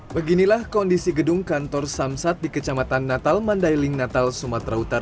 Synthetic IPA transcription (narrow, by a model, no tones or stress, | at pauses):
bəɡinilahkɔndisiɡədʊŋkant̪ɔrsamsat̪̚dikət͡ʃamat̪anːat̪almandajlɪŋnat̪alsumat̪ɾaut̪aɾa